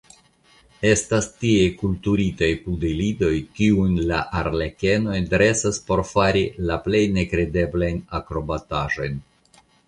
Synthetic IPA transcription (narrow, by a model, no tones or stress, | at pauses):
e̞stastie̞kultuɾitajpudelido̞jkiunlaʔaɾle̞ke̞no̞jdɾe̞saspo̞ɾfaɾilaple̞jne̞kɾe̞de̞blajnakɾo̞bataʒo̞jn